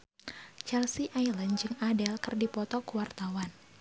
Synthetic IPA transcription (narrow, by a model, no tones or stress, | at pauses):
t͡ʃɛlsiʔajlənd͡ʒɨŋadɛlkɨrdipɔt̪ɔkuwart̪awan